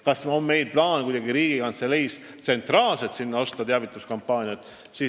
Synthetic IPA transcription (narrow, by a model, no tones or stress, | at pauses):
kɑsmɑo̞mːe̞jd̪̚plɑːnekujd̥̪ɑɡiɾiːɡ̥ikɑnt̪selejs | t̪se̞nt̪ˑrɑːlset̪sinːɑost̪ɑt̪eɑvit̪ːˑuskɑmpːˑɑːnʲiɑt̪ | siː